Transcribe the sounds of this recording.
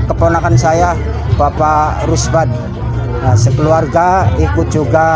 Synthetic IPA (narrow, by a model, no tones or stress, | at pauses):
kəponakansaja | b̥apaɾusbad̪̚ | jasəkəluarɡaikut̪̚d͡ʒuɡa